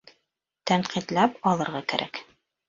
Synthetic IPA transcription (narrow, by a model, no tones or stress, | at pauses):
t̪æɴqit̪læpɒlˠɤ̆ɾʁɑkæ̰ɾʔæ̰k